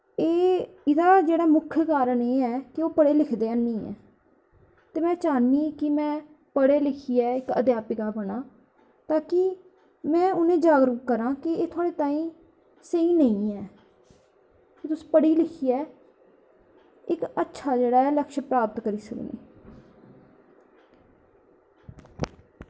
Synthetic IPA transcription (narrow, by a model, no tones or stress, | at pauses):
eː | ɪd̪aːd͡ʒeːɽaːmʊkʰːjəkaːɾəɳeːɛːkɪoːpəɽeːlɪkʰd̪eːənĩːɛ̰ː | t̪eːmɛ̃ːt͡ʃaːnːiːkɪmɛ̃ː | pəɽeːlɪkʰiːɛːɪkə̰d̪jaːpɪkaːbəɽ̃aː | t̪aːkɪ | mɛ̃ːʊnẽːd͡ʒaːɡɾʊkːəɾãːkɪeːt̪ʰʊaːɽeːt̪aːĩː | seiːnəĩːɛː | kɪt̪ʊsĩ̥ːpəɽiːlɪkʰiːɛː | ɪkətːʃʰaːd͡ʒeːɽaːɛːləkʃpɾaːpət̪kəɾiːsəknḛː